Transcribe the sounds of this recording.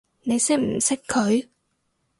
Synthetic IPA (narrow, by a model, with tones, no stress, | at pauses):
ne˨˧˦sɛ˨˥m̩˨˩sɛ˦˥kkʰə˨˦j